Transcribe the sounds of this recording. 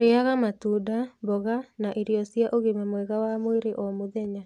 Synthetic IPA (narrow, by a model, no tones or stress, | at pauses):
ɾeaɣamatudabɔɣanaʔiɾjɔsiaʔoɣemamwɛɣawamoeɾeʔɔmoðɛɲa